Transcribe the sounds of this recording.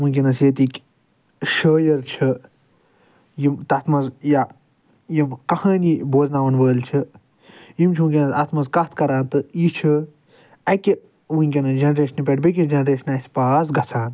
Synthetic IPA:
ũnʲkʲinɐsjeːt̪ikʲ | ʃəːjɐɾt͡ʃʰi | jimt̪ɐt̪ʰmɐzja | jimkɐhɐːniboːznaːʋɐnʋəːlt͡ʃʰi | jimt͡ʃʰũkʲinɐsɐt̪ʰmɐzkɐt̪ʰkɐɾaːnt̪ɨjit͡ʃʰɨ | ɐkʲi | ʋunʲkʲinɐd͡ʒɐnɾeːʃɐnipʲeʈbik̬ʲid͡ʒɐnɾeːʃɐnɐsʲpaːzɡɐt͡sʰaːn

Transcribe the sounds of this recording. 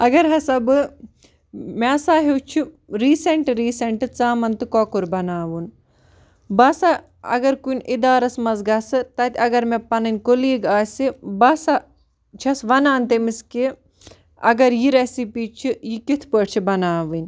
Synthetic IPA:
ɐɡɐɾɦɐsɐbɨ | mesaːɦewt͡ʃʰi | ɾiːseɳʈɾiːsɐɳʈɨt͡saːmɐnt̪ɨkɔːkuɾbɐnaːʋun | bɐsa | ɐ̰ɡɐɾkunʲʔid̪aːɾɐsmɐzɡɐsɨt̪ɐt̪ʲɐɡɐɾmepɐnɐnʲkoliːɡaːsibɐsa | t͡ʃʰɐsʋɐnaːnt̪emiski | ɐ̰ɡɐɾjiɾesipiːt͡ʃʰijikit̪ʰpəːʈt͡ʃʰibɐnaːʋɨnʲ

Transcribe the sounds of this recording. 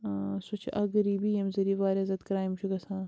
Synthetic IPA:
sut͡ʃʰʔɐɡɾiːbijɐmzɐɾiːʋaːɾʲɐzɐt̪kɾaːjimʃʰuɡɐsãː

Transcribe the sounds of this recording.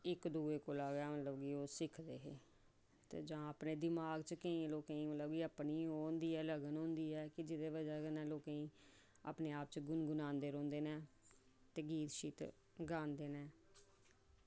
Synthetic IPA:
ɪkd̪uːeːkoːlaːɡɛːmət̪ləbɡiːoːsɪkʰd̪eːɦeː | t̪ḛːd͡ʒãːəːpneːd̪ɪmaːɡt͡ʃkəĩːloːkẽːĩːmət̪ləbɡiːəːpniːɦoːnd̪iːɛːləɡənɦõːnd̪iːɛːkɪd͡ʒɪd̪eːʋəd͡ʒaːkənɛ̃ːloːkẽĩː | a̰ːpneːaːp̚t͡ʃɡʊnɡʊnaːnd̪eːɾõːnd̪eːnɛː | t̪eːɡiːt̪ʃiːt̪ | ɡaːnd̪eːnɛː

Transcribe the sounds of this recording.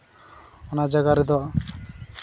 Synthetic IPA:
ɔnad͡ʒaɡaɾid̪ɔ

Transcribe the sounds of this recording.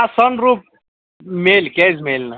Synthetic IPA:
asɔnɾup̚ | melkɛzmelna

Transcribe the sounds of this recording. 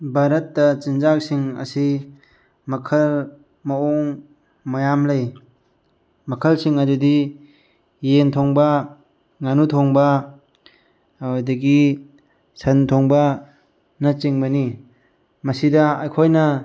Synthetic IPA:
bʱaɾɐtːɐt͡ʃind͡ʒak̚siŋɐ̰si | mɐkʰɐl | mɐoŋ | mɐjamlɐj | mɐkʰɐlsiŋad͡ʒudi | jentʰɔŋbɐ | ŋanutʰɔŋbɐ | wadɐɡi | sɐntʰoŋbɐ | nɐt͡ʃiŋbɐni | mɐsidɐa̰jkʰojnɐ

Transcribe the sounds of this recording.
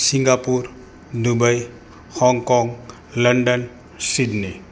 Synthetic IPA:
siŋɡapuɾ | d̪ubaj | hɔŋkɔŋ | ləɳɖən | sidni

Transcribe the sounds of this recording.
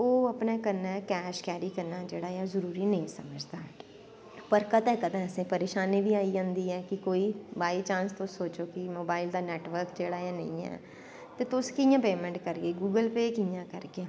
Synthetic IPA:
oːəpneːkəɾnɛːkɛːʃkɛːɾiːkəɾnaːd͡ʒeːɽaːjaːzəɾuːɾiːnəĩːsəməd͡ʒd̪aː | pəɾkət̪ɛ̃ːkəd̪ãːəsẽːpəɾeːʃaːnĩːbiːaːiɦõnd̪iːɛːkɪkoːiːbaːilt͡ʃãːnst̪osoːt͡ʃoːkɪmoːbaːɪld̪aːnɛːʈʋəɾkd͡ʒeːɽaːjaːnəĩːɛ̰ː | t̪eːt̪ʊskɪjãːpeːmɛ̃ɳʈkəɾɡeːɡuːɡəlpeːkijãːkəɾkeː

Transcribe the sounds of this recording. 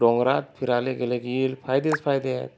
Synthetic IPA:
ɔŋɡɾat̪̚pʰiɾaleɡeleɡilpʰajd̪espʰajd̪et̚

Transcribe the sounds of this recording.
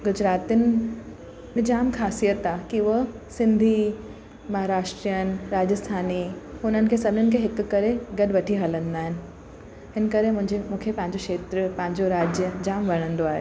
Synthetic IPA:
ɡʊd͡ʑɾaːt̪ɪnɪ̆ | nɪd͡ʑaːmkʰaːsijət̪akiʊɦ | sɪ̃nd̪ʱi | mɐɦaːɾaːʃʈɾijənɾaːd͡ʑəst̪ʰaːniʊn̤ənɪ̆kʰeːsɐbnʊnɪ̆kʰeɦɪkːɐɾeɡɐɗʋɐʈʰiɦɐlə̃nd̪aːɦɪnɪ̆ | hɪnkɐɾemʊ̃ɦɪ̃ɲd͡ʑemũːkʰepɐ̃ɦɪ̃ɲd͡ʑoʃeːt̪ɾəpɐ̃ɦɪ̃ɲd͡ʑoɾaːd͡ʑjəd͡ʑaːmʋɐɽ̃ə̃nd̪oaːɦḛː

